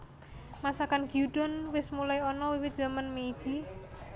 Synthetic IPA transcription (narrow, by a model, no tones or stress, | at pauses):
masakanɡ̥iuɖ̥ɔnwɪsmulajɔnɔwiwɪt̪̚dd͡ʒ̥a̤manmeid̥ʒ̥i